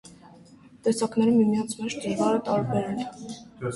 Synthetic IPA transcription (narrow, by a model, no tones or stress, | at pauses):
t̪ɛsɑknɛɾumːimijɑnt͡sʰmɛʃt̪ɛɾvɑɾət̪ɑɾbɛɾɛn